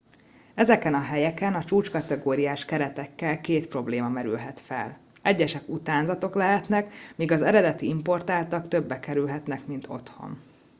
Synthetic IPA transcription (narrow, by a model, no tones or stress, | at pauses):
ɛzɛkɛnɒɦɛjɛkɛnɒt͡ʃuːt͡ʃkɒt̪ɛɡoːɾijaːʃkɛɾɛt̪ɛkːɛlkeːt̪pro̞bleːmɒmɛɾylɦɛt̪fɛ̰l | ɛɟːɛʃɛkut̪aːnzɒt̪o̞klɛɦɛt̪nɛkmiːɡɒzɛɾɛd̪ɛt̪iimpo̞rt̪aːlt̪ɒkt̪ø̞bːɛkɛɾylɦɛt̪nɛkmint̪ʰo̞t̪ho̞̰n